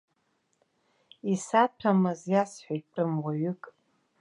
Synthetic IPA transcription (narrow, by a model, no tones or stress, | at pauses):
isatʰamɨzjasħʷᶣajʈ͡ʂʼɨmwaɥʏkʼ